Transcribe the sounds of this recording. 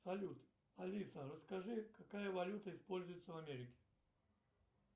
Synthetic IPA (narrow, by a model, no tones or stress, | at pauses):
sɐlʲut̪ | ɐlʲisərəskɐʐɨkɐkajəvɐlʲut̪əɪspolʲzʊjɪt̪səvɐmʲeɾʲɪkʲɪ̥